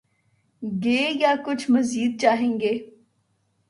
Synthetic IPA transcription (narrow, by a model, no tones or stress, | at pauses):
ɡeːjaːkʊt͡ʃʰməziːd̪̚t͡ʃaːɦẽːŋɡeː